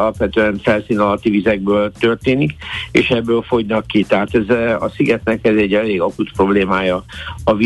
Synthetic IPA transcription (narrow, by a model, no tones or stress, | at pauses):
ɒlɒpʋɛt̪øɛnfɛlsiːnɒlɒt̪ːivizɛɡ̚bøːlt̪ørt̪eːnikḛːʃɛbːøːlfo̞ɟnɒkːit̪ɛɦaːt̪ɛzɒsiɡɛt̪nɛkɛzɛɟːɛleːɡɒkut̪pro̞bleːmaːjɒɒvi